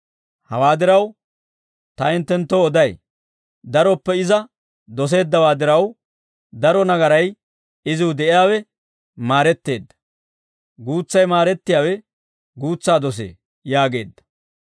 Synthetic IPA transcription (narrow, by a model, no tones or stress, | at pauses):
hɐwaːd̪ɪɾɐw | t̪ɐɪnt̪ːɛnt̪ːɔːd̪ɐj | d̪ɐɾɔpːɛɪzɐ | d̪ɔs̬e̞ːd̪ːɐwaːd̪ɪɾɐw | d̪ɐɾɔnɐɡɐɾɐj | ɪzɪwʊd̪ɛʔɪjaːwɛ | maːɾɛt̪ːe̞ːd̪ːɐ̥ | ɡuːt͡sːɐjmaːɾɛt̪ːɪjaːwɛ | ɡuːt͡sːaːd̪ɔs̬ḛː | jaːɡe̞̰ːd̪ːɐ̥